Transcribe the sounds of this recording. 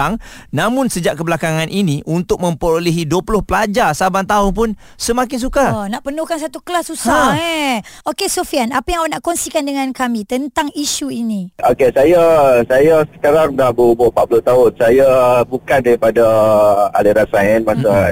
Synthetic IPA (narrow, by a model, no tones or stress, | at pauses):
aŋnamʊ̃nsəd͡ʒaʔkəbəlakaŋanʔiniʔunt̪ʊk̚mə̃mpəɾoləɦidəpulʊhpəlad͡ʒasabant̪aʊnp̬ʊn | səmakɪns̬ukanaʔpənuhkans̬at̪ukəlasusaaɛokesofianapajaŋanaʔkɔŋsikandəŋãnkamĩt̪ənt̪aŋiʃuinĩokesajasajasə̥kaɾaŋnahbəubʊpat̪̚pulʊht̪aʊnsajabukandaɾipadaa̰liɾat̪̚saɛnmasa